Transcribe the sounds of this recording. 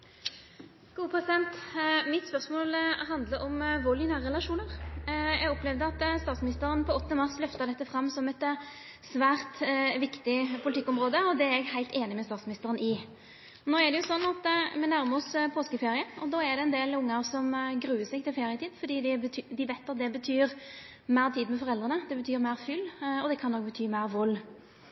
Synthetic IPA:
ɡ̥uːəpʰɾɛsɪd̪ɛnt̪mɪt̪spœʁsmoːlɦɑnd̪ləʔɔmʋɔlɪnæːʁɾəɛlɑʂuːnəʁjɛɡɔplɛʋd̪əɑt̪st̪ɑːt̪smɪnɪst̪əɾənpʰɔɔt̪ːnəmɑʁslœft̪əʁd̪ɛt̪ːəfɾɑmːsɔmɛt̪ | sʋæːɾt̪ʋɪkt̪ɪpʰʊlt̪ɪkːɔmʁoːd̪əɔd̪ɛæɛɡhæɪt̪eːnɪmɛst̪ɑːt̪smɪnɪst̪əʁənɪ | noːɛʁɖ̪ɛjʊsɔnːɑt̪mɛnæɾməɔspʰoːskəfeːɾɪəɔd̪ɑːɛd̪ɛɛnd̪eːlʊŋːɑʁsɔmɡɾʉːəsɛɡ̚t̪ʰɪlfeːʁɪət̪ʰiːd̪fɔd̪iːd̪ɪbət̪ʰːd̪ɪʋæɪt̪ːɑt̪̚d̪ɛbət̪ʰyːɾ | mæɪʁt̪ʰiːd̪mɛfɔʁɛld̪ʁənəd̪ɛbət̪ʰyːɾmæɪʁfʏlːɔd̪ɛkʰɑnːɔk̚bət̪ʰyːmæɪʁʋɔlː

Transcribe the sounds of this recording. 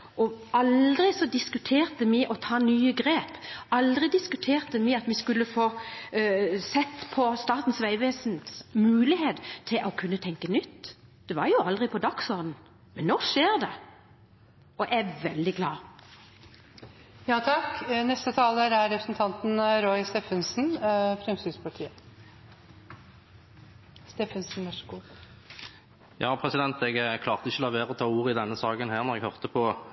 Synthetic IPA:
ʔɔɑld̪ɾɪsɔd̪ɪskʉt̪ʰeːʁt̪əmɪʔɔt̪ʰɑːnyːəɡɾeːpɑld̪ʁɪd̪ɪskʉt̪ʰeːʁt̪əmɪɑt̪ʋɪskʉlːəfoː | sɛt̪ːpʰɔst̪ɑːt̪n̩sʋæɪʋeːsnsmʉːlɪheːt̪t̪ʰːɪlʔɔkʰʉnːət̪ʰɛŋkənʏt̪ːd̪̥ɛʋɑɾjʊɑld̪ʁɪpʰɔd̪ɑksɔʁd̪n̩ | mɛnːɔʂeːɾd̪ɛ | ɔʔɛʋɛld̪ɪɡlɑː | jɑːt̪ʰɑknɛst̪ət̪ʰɑːləɾæɾɾɛpɾəsnt̪ʰɑnt̪nɾɔʏɪst̪eːfənsn̩fɾɛmsʏspɑʈʰiːə | st̪eːfənsn̩ʋɑʂəɡu | jʔɑːpʰʁɛsɪd̪ɛnt̪ɛɡkʰlɑːʁt̪əɪçəlɑʋeːʁɔt̪ʰɑːuːʁəɪd̪ɛnːəsɑːɡənhæːʁnɔʁɛɡhœʁt̪əpʰɔ

